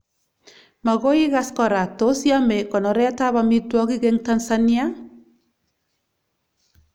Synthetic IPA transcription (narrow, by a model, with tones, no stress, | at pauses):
ma˨ɣo˦i˦ɣa˦skɔ˨ɾa˨to˦sja˦mɛ˨kɔ˨nɔ˨ɾɛ˦ta˦βami˦twɔ˦ki˦kɛŋtansania˦